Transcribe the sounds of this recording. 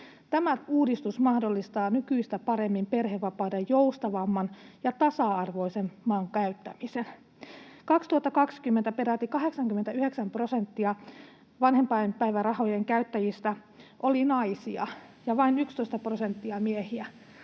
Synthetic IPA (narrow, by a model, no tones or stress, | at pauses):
t̪æmæuːdist̪usmɑhdolːist̪ɑːnykyist̪æpɑɾe̞mːimperɦeʋːɑpɑːdejjowst̪ɑʋɑmːɑnjɑt̪ɑsɑɑrʋo̞isemːɑːŋkæyt̪ːæ̰misen | kɑkst̪uɑt̪ːɑkɑkskymːent̪æpeɾæt̪ːikɑɦe̞ksɑŋkymːet̪æyheksæmpro̞sent̪ːiɑ | ʋɑnhempɑjmpæiʋærɑho̞jeŋkæyt̪ːæjist̪æ | ʔolinɑisiɑ̰jɑʋɑinykst̪oist̪ɑpro̞se̞nt̪ːiɑmiehiæ